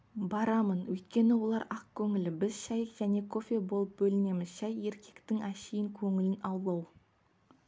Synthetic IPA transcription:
bɑɾɑmənwɵjt̪̚kʲe̞nɪwo̞lˠɑɾɑq̚kʲʰɵŋɪlɪbɪzʃæjkʒ̥æne̞kʰo̞fʲe̞bo̞lˠəp̚bɵlɪne̞mɪzʃæje̞ɾkʲʰe̞kt̪ɪŋæʃejɪŋkʲʰɵŋɪlɪnɑwlˠɑw

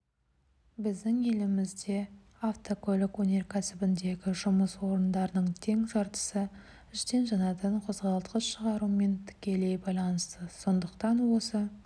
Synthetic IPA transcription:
bɪzd̪ɪŋe̞lɪmɪzd̪e̞ | aft̪okʰolɪkwɵne̞ɾkʲʰæsɪbɪnd̪e̞ɡʲɪʒʊməswo̞ɾənd̪ɑɾənəɴt̪ʰe̞ŋʒɑɾt̪ə̥sə | ɪʃt̪e̞nʒɑnɑt̪əɴqʰo̞zʁɑlˠt̪qəsʃəʁɑɾume̞nt̪ʰɪ̥kʲe̞le̞jbɑjlˠɑnəst̪əso̞nd̪əqt̪ɑnwo̞sə

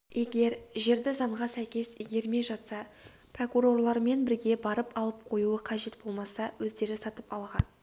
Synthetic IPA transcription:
je̞ɡʲe̞ɾʒe̞ɾd̪ɪzɑɴʁɑsæjkʲe̞siɡʲe̞ɾme̞ʒɑt̪sɑ | pro̞kuɾo̞rlˠɑɾme̞nbɪɾɡʲe̞bɑɾəpɑlˠəp̚qʰo̞juəqʰɑʒe̞t̪b̥o̞lˠmɑsɑwɵzd̪e̞ɾɪsɑt̪əpɑlˠʁɑn

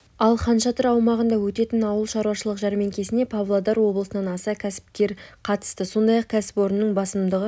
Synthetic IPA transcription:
ɑlˠχɑnʃɑt̪əɾɑwmɑʁənd̪ɑwɵt̪e̞t̪ɪnɑwəlˠʃɑɾwɑʃəlˠəqʒɑɾme̞ŋkʲʰe̞sɪne̞pʰavlˠod̪ɑɾwo̞blˠəsənɑnɑsɑkʲʰæsɪ̥p̚kʲe̞ɾqʰɑt̪ə̥st̪əso̞nd̪ɑjɑq̚kʲʰæsɪ̥po̞ɾənəːəɴbɑsəmd̪əʁə

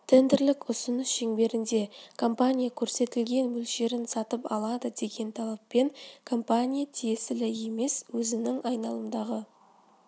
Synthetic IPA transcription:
t̪ʰend̪ɪɾlɪkʊsʊnəsʒeŋbe̞ɾɪnd̪e̞kʰo̞mpanʲijakʲʰɵɾse̞t̪ɪlɡʲe̞nmɵlʃe̞ɾɪnsɑt̪əpɑ̰lˠɑd̪əd̪e̞ɡʲe̞nt̪ʰɑlˠɑpːe̞ŋkʰo̞mpanʲijat̪ʰije̞sɪlɪje̞me̞swɵzɪnɪŋʔɑjnɑlˠəmd̪ɑʁə

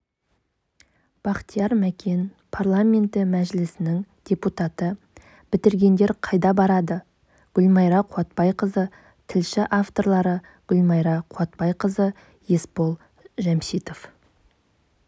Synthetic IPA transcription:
b̥ɑqt̪ijɑɾmækʲe̞n | pʰarlˠamʲe̞nt̪ɪmæʒɪlɪsɪnɪŋd̪̥ʲeput̪at̪ə | b̥ɪt̪ɪɾɡʲe̞nd̪e̞ɾqʰɑjd̪ɑbɑɾɑd̪ə | ɡ̥ʲɵlmɑjɾɑqʰuɑt̪̚pɑjqəzə | t̪ʰɪlʃɪʔaft̪o̞ɾlˠɑɾə | ɡ̥ʲʏlmɑjɾɑqʰuɑt̪̚pɑjqəzə | je̞spo̞lˠ | ʒæmʃijt̪o̞f

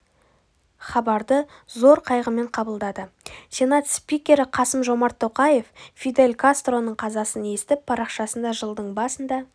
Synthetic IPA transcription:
χɑbɑɾd̪ə | zo̞ɾqʰɑjʁəme̞ɴqʰɑbəlˠd̪ɑd̪ə | sʲe̞nat̪spikʲe̞ɾɪqʰɑsəmʒo̞mɑɾt̪ʰːo̞qɑje̞ffid̪e̞lʲkʰast̪ro̞nəɴqʰɑzɑsəne̞st̪ɪp̚pʰɑɾɑqʃɑsənd̪ɑʒəlˠd̪əɴbɑsənd̪ɑ

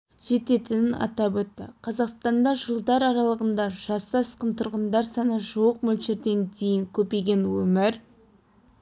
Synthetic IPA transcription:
ʒ̥e̞t̪e̞t̪ɪnɪnʔɑ̰t̪ɑpwɵt̪ːɪ̰qʰɑzɑqst̪ɑnd̪ɑʒəlˠd̪ɑɾɑɾɑlˠəʁənd̪ɑʒ̥ɑsɑsqənt̪ʰʊɾʁənd̪ɑɾsɑnəʒuwəq̚mɵlʃe̞ɾd̪e̞nt̪ʰe̞jɪŋkʲʰɵpe̞jɡʲe̞nwɵmɪɾ

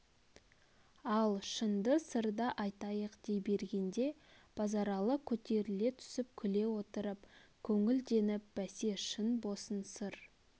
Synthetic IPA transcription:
ɑlˠʃənd̪əsəɾd̪ɑʔɑjt̪ɑjəqd̪̥ejbe̞ɾɡʲe̞nd̪e̞b̥ɑzɑɾɑlˠəkʲʰɵt̪e̞ɾɪle̞t̪ʰʏ̥sɪp̚kʲʰʏle̞wo̞t̪əɾəpkʲʰɵŋɪld̪e̞nɪp̚b̥æse̞ʃənbo̞sənsəɾ

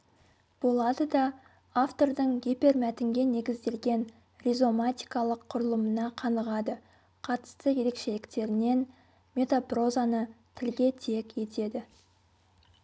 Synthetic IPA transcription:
b̥o̞lˠɑd̪əd̪ɑ | aft̪o̞ɾd̪əɴɡʲepe̞ɾmæt̪ɪŋɡʲe̞ne̞ɡʲɪzd̪e̞lɡʲe̞n | rʲizo̞mat̪ʲijkɑlˠəqʰːʊɾəlˠəmənɑqʰɑnəʁɑd̪ə | qʰɑt̪ə̥st̪əje̞ɾe̞kʃe̞lɪkt̪e̞ɾɪne̞n | me̞t̪apro̞zanət̪ʰɪlɡʲe̞t̪ʰe̞kʲe̞t̪e̞d̪ɪ

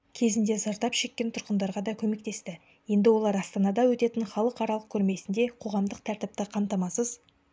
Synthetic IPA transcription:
kʲʰe̞zɪnd̪e̞zɑɾt̪ɑpʃe̞kʲːe̞nt̪ʰʊɾqənd̪ɑɾʁɑd̪ɑkʲʰɵme̞k̚t̪e̞st̪ɪ | je̞nd̪ɪwo̞lˠɑɾɑst̪ɑnɑd̪ɑwɵt̪e̞t̪ɪnχɑlˠəqɑɾɑlˠəq̚kʲʰɵɾme̞sɪnd̪e̞qʰo̞ʁɑmd̪əqt̪ʰæɾt̪ɪp̚t̪ɪqʰɑmt̪ɑmɑsəz

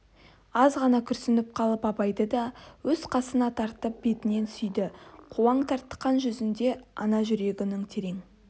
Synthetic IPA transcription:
ɑzʁɑnɑkʲʰʏɾsɪnɪp̚qʰɑlˠəpɑpɑjd̪əd̪ɑwɵz̥qʰɑsənɑt̪ʰɑɾt̪əp̚b̥e̞t̪ɪne̞nsʏjd̪ɪqʰuɑɴt̪ʰɑɾt̪ːə̥qɑnʒʏzɪnd̪e̞ɑ̰nɑʒʏɾe̞ɡʲɪnɪŋt̪ʰeɾe̞ŋ

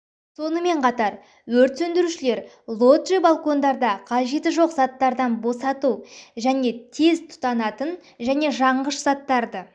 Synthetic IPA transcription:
so̞nəme̞ɴqʰɑt̪ɑɾ | wɵɾt̪sɵnd̪ɪɾuʃɪle̞ɾ | lˠo̞t̪ʒibalˠko̞nd̪ɑɾd̪ɑqʰɑʒe̞t̪ɪʒo̞qzɑt̪ːɑɾd̪ɑnbo̞sɑt̪uʒæne̞t̪ʰe̞zt̪ʰʊ̥t̪ɑnɑt̪ən | ʒæne̞ʒɑɴʁəʃz̥ɑt̪ːɑɾd̪ə

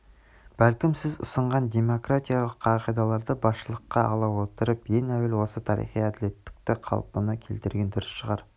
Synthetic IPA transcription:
b̥ælkʲɪmsɪzʊ̰səɴʁɑnd̪e̞mo̞krat̪ʲijalˠəqɑqijd̪ɑlˠɑɾd̪əbɑsʃəlˠəqːɑɑ̰lˠɑwo̞t̪əɾəpje̞ŋæwelwo̞sət̪ʰɑɾḭχijæd̪ɪle̞t̪ːɪ̥k̚t̪ɪqʰɑ̰lˠpənɑkʲʰe̞lt̪ɪɾɡʲe̞nd̪ʊɾɪsʃəʁɑɾ

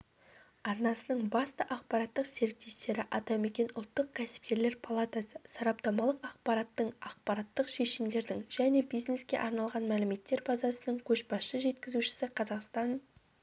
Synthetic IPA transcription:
ɑɾnɑsənəɴbɑst̪ɑʔɑq̚pɑɾɑt̪ːəqse̞ɾk̚t̪ːe̞jst̪e̞ɾɪʔɑt̪ɑme̞kʲe̞nʊlˠt̪ːəq̚kʲʰæsɪ̥p̚kʲe̞ɾle̞ɾpʰalˠat̪asəsɑɾɑp̚t̪ɑmɑlˠəqɑq̚pɑɾɑt̪ːəɴɑq̚pɑɾɑt̪ːəqʃe̞ʃɪmd̪e̞ɾd̪ɪŋʒæne̞bijzne̞skʲe̞̰ʔɑɾnɑlˠʁɑnmælɪme̞t̪ːe̞ɾbɑzɑsənəɴkʲʰɵʃbɑsʃəʒe̞t̪kʲɪzuʃɪ̥sɪqʰɑzɑqst̪ɑn

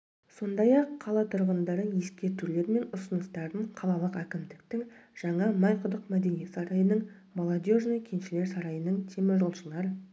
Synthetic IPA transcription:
so̞nd̪ɑjɑqʰːɑlˠɑt̪ʰʊɾʁənd̪ɑɾənje̞skʲe̞ɾt̪ule̞ɾme̞nʊsənəst̪ɑɾd̪əɴqʰɑlˠɑlˠəqækʲɪmd̪ɪkt̪ɪŋʒ̥ɑɴɑmɑjqʰʊd̪əqmæd̪e̞nije̞t̪sɑɾɑjənəɴ | molˠod̪ʲjoʒnəjkʲʰe̞nʃɪle̞ɾsɑɾɑjənəɴt̪ʰemɪʒolˠʃəlˠɑɾə

